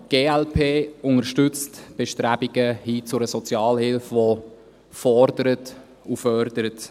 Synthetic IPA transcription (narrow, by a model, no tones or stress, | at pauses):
ɡ̥eːɛlpʰeːʊŋəʃtʏt͡stb̥eʃtɾæb̥iɡ̥əhiːt͡sʊɾəsɔt͡sjɑːlhɪlfʋo | fɔɾdəɾət | ufœɾdəɾət